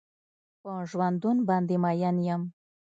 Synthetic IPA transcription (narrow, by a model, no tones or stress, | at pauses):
pəʒwand̪unbɑnd̪emajanjəm